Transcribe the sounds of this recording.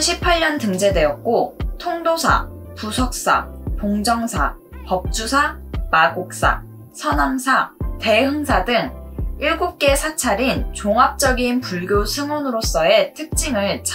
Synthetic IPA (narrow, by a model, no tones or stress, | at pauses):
ɕʰipʰaɭːʌntɯŋd͡ʑe̞dwe̞ʌt̚k͈otʰoŋdosʰa̰ | pusʰʌk̚s͈a̰poŋd͡ʑʌŋsʰa | pʌp̚t͡ɕ͈usʰamaɡok̚s͈a̰ | sʰʌnamsʰate̞ɦɯŋsʰadɯŋiɭɡup̚k͈e̞sʰat͡ɕʰaɾint͡ɕoŋap̚t͡ɕ͈ʌɡinpuɭɡjosʰɯŋwonɯɾos͈ʌe̞tʰɯk̚t͡ɕ͈imɯɭt͡ɕʰ